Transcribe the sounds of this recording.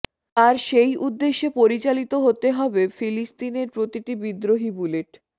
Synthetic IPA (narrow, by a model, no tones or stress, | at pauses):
aɾʃejʔud̪ːeʃːepoɾit͡ɕalit̪oɦot̪eɦɔbefilist̪ineɾpɾot̪iʈibid̪ɾoɦibuleʈ